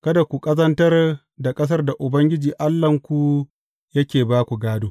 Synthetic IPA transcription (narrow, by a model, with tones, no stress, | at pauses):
kɐ˦da˨kʷu˨kʼɐ˦zɐ˦ntɐ˦r | da˨kʼɐ˦s̬ɐ˦rda˨ʔʊ˨bɐ˦ŋɡʲɪ˦d͡ʒiː˨ʔa˦lːɐ˨ŋkʷu˨ | jɐ˦kʲeː˨baː˦kʷu˨ɡaː˦doː˦